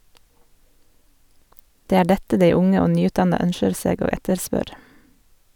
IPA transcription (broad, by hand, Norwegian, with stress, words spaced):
ˈdeː ˈæː ˈɖɛtə ˈdeɪ ˈʊŋə ˈoː ˈnyːˌʉːtˌdɑnɑ ˈœnʃəɾ ˈseːɡ ˈoː ˈɛtəɾˌspœɾ